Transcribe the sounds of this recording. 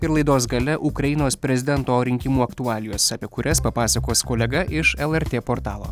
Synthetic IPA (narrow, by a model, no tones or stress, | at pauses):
ɪɾlˠɐɪd̪oːs̬ɡɐlʲɛʔʊkɾɐjɪnoːspʲɾʲɛzʲɪd̪ʲɛnt̪oːɾʲɪŋʲkʲɪmuːɐkt̪uɑːlʲɪjoːsɑːpʲiɛkʊɾʲɛspɐpɑːsɐkoːskoːlʲɛɡɐʔɪʃɛlˠɛɾʲt̪ʲeːpoːɾt̪ɑːlˠoː